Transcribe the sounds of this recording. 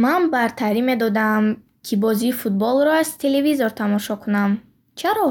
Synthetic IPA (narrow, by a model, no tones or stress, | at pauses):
manbaɾt̪ʰaɾime̞d̪ɔd̪am | kʰibɔziːfut̪̚bɔlˠɾɔaz̥t̪ʰe̞le̞vizoɾt̪ʰamɔʃɔkʰunam | t͡ʃʰaɾɔ